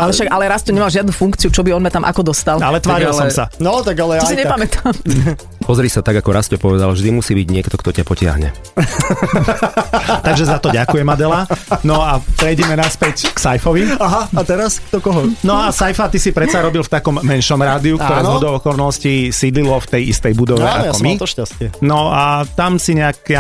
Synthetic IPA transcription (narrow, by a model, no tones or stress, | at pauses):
alɛʃaɡalɛɾastɔɲɛmalʒɪad̪nufuŋkt͡siut͡ʃɔbiɔnmat̪amʔa̰kɔd̪ɔst̪alalɛt̪ʋaːɾilɔmsanɔt̪aɡalɛɔsiɲɛpamɛt̪ʰam | pɔzɾiːsat̪aɡakɔɾascɔpɔʋɛd̪alvʒd̪imusiːbiɟɲɪɛkt̪ɔkt̪ɔcapɔcɪa̰ɦɲɛ̰ | t̪aɡʒɛzat̪ɔɟakujɛmad̪ɛlanɔapɾɛjɟɛmɛnaspɛcksajfɔʋiaɦaat̪ɛɾaskt̪ɔkɔɦɔnɔasajfat̪isipɾɛt͡saɾɔbilft̪akɔmːɛnʃɔmɾaːd̪iukkt̪ɔɾɛːzzɦɔd̪ɔʊɔkɔɾnɔscisiːd̪lilɔft̪ɛjist̪ɛjbud̪ɔʋɛa̰kɔmit̪ɔʃcascɪɛnɔat̪amsiɲɛak